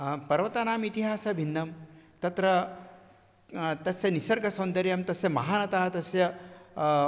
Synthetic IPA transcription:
pɐɾʋɐt̪aːnaːmit̪iɦaːsɐbʱinːɐmt̪ɐt̪ɾɐ | t̪ɐsjɐnisɐɾɡɐsɐnd̪ɐɾjɐmt̪ɐsjɐmɐɦaːnɐt̪aːɐt̪ɐsjɐ

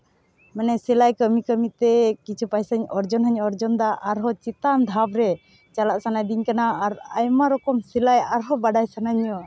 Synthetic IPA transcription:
mɛnɛsɛlajkəmikəmit̪ɛkit͡ʃʰupajsaɲɔɾd͡ʒɔnɦəɲɔɾd͡ʒɔnd̪aʔaɾɦɔt͡ʃit̪and̪ʱabɾɛ | t͡ʃalaʔsanajd̪iɲkanaːɾajmaɾɔkɔmsilajaɾɦɔbaɖajsanaɲɔ

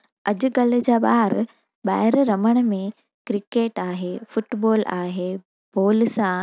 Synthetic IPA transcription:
ɐd͡ʑʊɡɐlʊ̆d͡ʑaːɓaːɾ | ɓaːɦɪɾɾɐməɽ̃̆mẽ | kɾɪkeːʈaːɦeːfʊʈboːlaːɦeː | b̥oːlsã

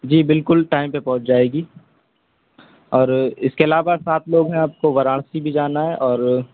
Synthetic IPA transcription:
d͡ʒiːbɪlkʊlʈaːɪmpepɔ̃ɦʊt͡ʃʰd͡ʒaːeːɡiː | ɔːɾɪskeɐlaːʋasaːt̪ʰloːɡɦɛ̃aːp̚koʋɐɾaːɽ̃sibʱid͡ʒaːnaɦɛʔɔːɾ

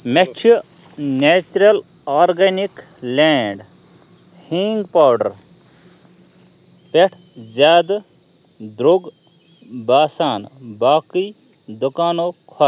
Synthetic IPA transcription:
met͡ʃʰu | neːt͡ʃuɾɐl | aːɾɡenik | leːɳɖ | hĩŋɡpaːwɖɐɾ | peʈʰ | zjaːd̪ | d̪ɾoɡ | baːsaːn | baːki | d̪ukaːnoːkʰɔ

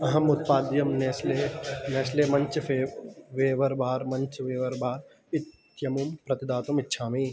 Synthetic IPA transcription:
ɐɦɐmʊt̪̚paːd̪jɐmneːsleneːsleːmɐ̃ɲt͡ʃeʋeːʋɐɾbʱaːɾmɐ̃ɲt͡ʃʋeːʋɐɾbaːɾ | ɪt̪ | jɐmumpɾɐt̪ɪd̪aːt̪umɪtːʃʰaːmiː

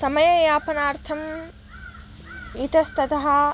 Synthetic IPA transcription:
sɐmɐjɐjaːpɐnaːɾt̪ʰɐm | it̪ɐst̪ɐt̪ɐɦɐ

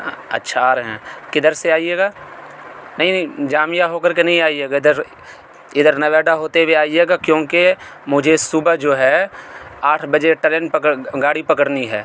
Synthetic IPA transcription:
ɐ̰tːʃʰaɾɦɛ̰̃kɪd̪əɾseaːieːɡaː | nɐɦĩnĩd͡ʒaːmjaɦoːkəɾkenɐɦĩaːieːɡaɪd̪əɾ | ɪd̪əɾnɐʋɛːɖaɦoːt̪eweaːieːɡakjõːkemʊd͡ʒʱesubəd͡ʒoːɦɛ | aːʈʰbɐd͡ʒeʈɛlɛɳpəkəɡaːɽipɐkəɽniɦɛ̰ː

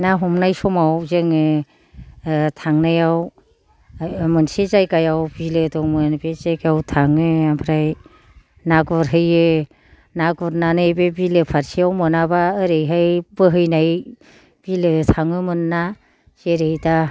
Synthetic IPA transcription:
naɦɔmnajsɔmawzeŋɯ | tʰaŋnajaw | mɯnsezajkajawbilɯtɔŋmɯnbezajkajawtʰaŋɯampʰɾaj | naɡɔɾɦɯjɯ | naɡɔɾnanɯbebilɯpʰaɾsijawmɯnabaɯɾejɦajbɯɦɯjnaj | b̥ilɯtʰaŋɯmɯnːa | zeɾejda

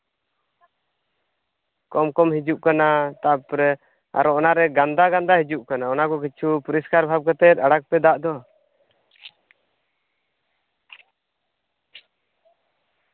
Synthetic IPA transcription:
kɔmkɔmɦid͡ʒuʔkanat̪apɾɛ | a̰ɾɔɔnaɾɛɡand̪aɡand̪ahid͡ʒuʔkanaɔnakɔk̬it͡ʃʰupuɾiskaɾbʱab̚kat̪ɛt̪̚aɽak̚pɛd̪aʔd̪ɔ

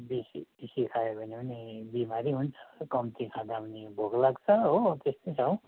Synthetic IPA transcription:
bisibisikʰajebʱʌnebʌnibimaɾiɦunt͡sʰʌ̥kʌmt̪ikʰãɡabnibʱoɡlaɡt͡sʰʌɦot̪est̪ʌsʰʌw

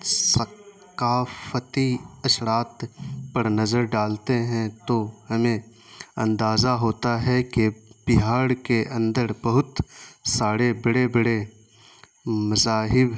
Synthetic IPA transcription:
sɐ | kaːfət̪iɐsɾaːt̪pɐɾnɐzəɾɖaːlt̪eɦɛ̃t̪ohɐmẽ | ɐ̰̃nd̪aːzaɦoːt̪aɦɛkeb̥ɪɦaːɽkeʔɐ̃nd̪əɾbɐɦʊt̪saːɽebɐɽebɐɽe | mɐzaːɦɪb

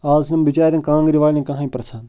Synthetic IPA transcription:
aːznɐmbit͡ʃaːɾʲjɐ̃nkãːŋɡɾiʋaːlʲĩkɐ̃ɦãːĩpɾɐsʰaːn

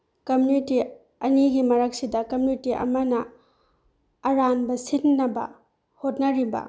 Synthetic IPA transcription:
kɐmuniti | ɐniɡimɐɾɐk̚sidɐkɐmunitiʔɐ̰mɐnɐ | ɾanbɐsinːɐbɐ̰ | hot̚nɐɾibɐ̰

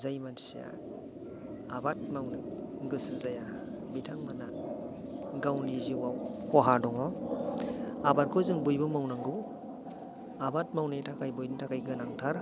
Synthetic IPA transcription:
zajmansija̰ | abat̚mawnɯɡɯsɯzaja | bitʰaŋmanan | ɡawliziwawkʰɔɦadɔŋɔ | abat̚kʰɔzɯŋbujbɯmawnaŋɡɯw | abat̚mawnitʰakʰajbɔjnitʰakajɡɯnaŋtʰaɾ

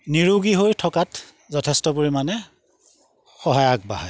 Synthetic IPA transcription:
niɹuɡiɦojtʰɔkat | zɔtʰɛstɔbuɹimanɛ | xɔɦajak̚baɦa

